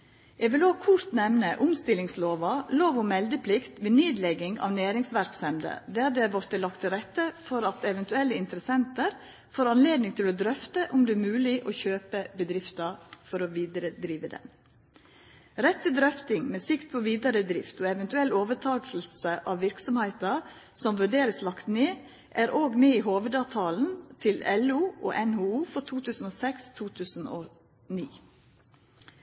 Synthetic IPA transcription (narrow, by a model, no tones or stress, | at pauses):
ɛːɡʋɪloːɡkʰʊɾt̪nɛʋnəʔʊmst̪ɪlɪŋsloːʋɑloːʋɔmɛld̪əpʰlɪkt̪ʋeːnyːd̪lɛɡɪŋɑ̰ʋnæːɾɪŋsʋæɾksɛmd̪ə̰d̪æd̪ɛʋɔɾt̪ʰːɪlɑkt̪ʰɪɾɛt̪ːəfɔɾɑt̪ɛʋɛnt̪ʉɛlːəɪnt̪əɾəsɛnt̪əɾ | foːɾɑnleːd̪nɪŋt̪ʰɪlod̪ɾœft̪əʔʊmd̪ɛːɾmʉːlɪʔoːçøːpəbəd̪ɾɪft̪ɑɾfɔɾoʋiːd̪ɾəd̪ɾiːʋəd̪ɛ̰n | ɾɛt̪ʰːɪld̪ɾœft̪ɪŋmɛːsɪkt̪̚pʰɔʋiːd̪ɑɾəd̪ɾɪft̪ɔɛʋɛnt̪ʉɛlːoːʋət̪ʰɑːtl̩səʔɑʋʋɪɾksɔmhæɪt̪ɑɾ | sɔmʋʉɖeːɾəslɑkt̪neː | ʔæɾʔoːɡmeːiːɦoːʋəd̪ɑʋt̪ʰɑːln̩t̪ʰɪlɛluːʔo̰ːʔɛnhuːuːfɔʈ̪ʰuːt̪ʰʉːsn̩oːsɛkst̪ʰuːt̪ʰʉːsn̩oː | niː